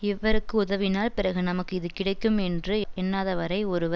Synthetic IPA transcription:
ɪʋːɐɾɯkːɯʊðɐʋɪnaːlpɪɾɐɣɯnɐmɐkːɯɪðɯkɪɽɐɪkːɯmɛndrɯɛnːaːðɐʋɐɾɐɪɔɾɯʋɐ

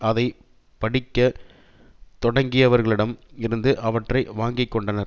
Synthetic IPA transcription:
ɐðɐɪ | pɐɽɪkːɐ | t̪ɔɽɐŋɡɪjɐʋɐɾɣɐɭɪɽɐmɪɾɯnd̪ɯʔɐʋɐʈrɐɪʋaːŋɡɪkːɔɳɖɐnɐɾ

